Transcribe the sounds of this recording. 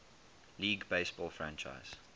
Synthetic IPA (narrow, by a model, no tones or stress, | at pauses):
liːɡbeɪsb̥ɔːlfɹãnt͡ʃa̰ɪz̥